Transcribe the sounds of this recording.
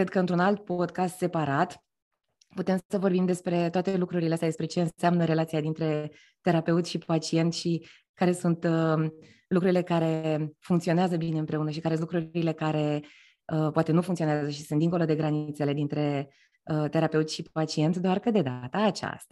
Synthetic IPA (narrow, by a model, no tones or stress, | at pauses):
kɾed̪̚kəɨnt̪ɾunalt̪̚po̞d̪kast̪se̞paɾat̪ | put̪emsəvo̞rbimd̪e̞spɾe̞t̪oat̪e̞lukɾuɾileast̪jad̪espɾe̞t͡ʃe̞ɨnseamnəɾe̞lat̪siad̪int̪ɾe̞ | t̪e̞ɾape̞ut̪sʲʃipat͡ʃie̞nt̪ʃi | kaɾe̞sunt̪ə | lukɾuɾile̞kaɾe̞fuŋkt̪sio̞neazəbineɨnpɾe̞unəʃ̬ikaɾelukɾuɾile̞kaɾe̞ | əpoat̪e̞nufuŋkt̪ioneaazəʃisunt̪d̪iŋkolod̪e̞ɡɾaniit̪se̞le̞d̪int̪ɾe̞ | ət̪e̞ɾape̞ut̪ʲʃipat͡ʃie̞nt̪sʲd̪oarkəd̪e̞d̪at̪əːt͡ʃa̰st̪ḁ